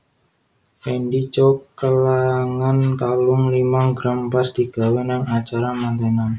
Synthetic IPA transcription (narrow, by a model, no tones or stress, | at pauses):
penɖit͡ʃokəlaŋankalʊŋlimaɡɾampasd̪̥i̤ɡ̥a̤wenaŋat͡ʃaɾamant̪eŋan